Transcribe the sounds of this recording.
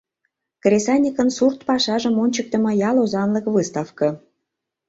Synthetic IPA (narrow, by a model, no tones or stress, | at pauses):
krʲesɑnʲikənsurt̪pɑʃɑʒə̆monʲt͡ɕək̚t̪ə̆mɤ̆jɑlozɑnləkvɨst̪ɑfkɤ̆